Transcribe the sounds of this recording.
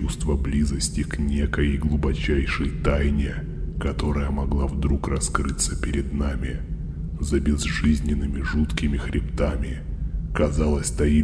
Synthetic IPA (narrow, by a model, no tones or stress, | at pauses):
ust̪vəblʲizəsʲtʲɪknʲekəjəjɡlˠʊbɐt͡ɕæjʂəjt̪ajnʲɪ | kɐt̪o̞ɾəjəmɐɡlˠavd̪ɾukrɐskɾɨt̪səpʲɪɾʲɪd̪namʲɪ | zəbʲɪzʐɨzʲnʲɪnːɨmʲɪʐut̪kʲɪmʲɪxɾʲʔɪpt̪amʲɪ | kɐzalˠəsʲt̪ɐi